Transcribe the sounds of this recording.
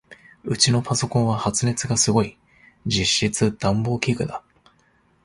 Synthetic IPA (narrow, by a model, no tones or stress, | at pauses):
ɯ̟t͡ɕino̞paso̞kõɰ̃βahat͡sɨne̞t͡sɨɡasɨɡo̞i | d͡ʑiɕːit͡sɨd̪̥ãmbo̞ːkʲeːkɯ̟d̪a